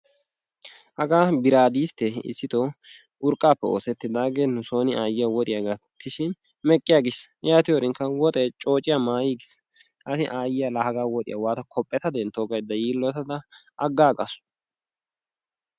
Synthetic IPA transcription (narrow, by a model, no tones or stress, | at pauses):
hɐɡaːbɪɾaːd̪iːst̪ːɛɪ̰sːɪt̪o | ʔʊɾkʼːaːpːɛoːsɛt̪ːɪd̪aːɡenʊso̞ːnɪaːjɪjɐwɔt̪ʼɪjɐɡɐt̪ʰːɪʃɪn | mɛkʼːɪjaːɡɪsjaːt̪ɪjɔɾɪŋkɐwɔt̪ʼɛːt͡ʃʼo̞ːt͡ʃʼɪjɐmaːjɪɡɪs | ʔɐsɪʔaːjɪjɐlɐhɐɡaːwɔt̪ʼɪ̰jɐwaːt̪ɐkʰɔpʼːɛt̪ɐd̪ɛnt̪oːɡɐjd̪ːɐjiːlːɔt̪ɐd̪ɐʔɐɡːaːɡʼɐsʊ̥